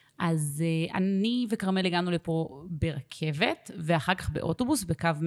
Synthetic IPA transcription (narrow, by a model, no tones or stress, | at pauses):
ʔazeʔa̰nivekaʁmeliɡanulepo̞be̞ʁakʰe̞ve̞tveaχaʁkaχbe̞ʔo̞to̞busbekavm